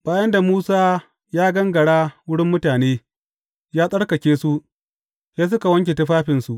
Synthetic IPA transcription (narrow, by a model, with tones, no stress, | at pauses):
b̥aː˨jɐ˦nda˨muː˦saː˦ | jaː˦ɡɐ˦ŋɡɐ˨ɽaː˦wʊ˦ɽɪ˦mːʊ˦taː˨neː˦ | jaː˦sʼɐ˦ɽkɐ˨kʲeː˦su˦ʔ | seː˦s̬ʊ˦ka˨wɐ˦ŋkʲe˨tɐ˦ɸaː˦ɸɪ˨nsu˨ʔ